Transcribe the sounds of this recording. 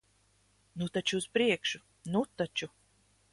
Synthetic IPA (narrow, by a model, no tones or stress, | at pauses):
nut̪at͡ʃuːspɾiɛkʃu̥ | nut̪at͡ʃu